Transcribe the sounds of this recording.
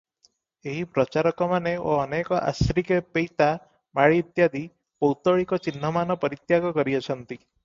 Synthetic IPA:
eɦipɾɔt͡ʃaɾɔkɔmaneoːnekɔʔa̰sɾikepejt̪a | maɭiːt̪jad̪i | pɔwt̪ɔɭikɔt͡ʃin̤ːɔmanɔpɔɾit̪jaɡɔkɔɾiɔt͡ʃʰɔnt̪i

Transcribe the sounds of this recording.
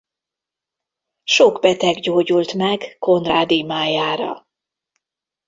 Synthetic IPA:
ʃo̞ɡbɛt̪ɛɡɟoːɟult̪mɛɡko̞nd̪raːd̪imaːjaːɾɒ̰

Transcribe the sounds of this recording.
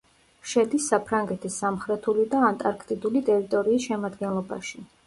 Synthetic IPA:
ʃɛd̪isːapʰɾaŋɡɛt̪ʰisːamχɾɛt̪ʰulid̪aːnt̪ʼaɾkʰt̪ʼid̪ulit̪ʼɛɾit̪ʼɔɾiːsʃɛmad̪ɡɛnlˠɔba̰ʃi

